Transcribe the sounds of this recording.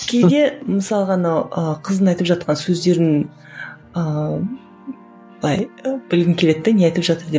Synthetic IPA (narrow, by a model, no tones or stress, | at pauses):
kʲʰejd̪e̞məsɑlˠəʁɑnawəqʰəzənɑjt̪əpʒɑt̪̚qɑnsɵzd̪e̞ɾɪn | ə | b̥əlˠɑjb̥ɪlɡʲɪŋkʲʰe̞le̞t̪ːɪneɑjt̪əpʒɑt̪əɾd̪e